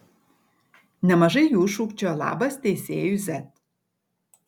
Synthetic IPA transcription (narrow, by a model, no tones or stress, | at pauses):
nə̆mə̆ʒejuʃukt͡ɕə̆lɑ̰bəst̪eseyzæt̪̚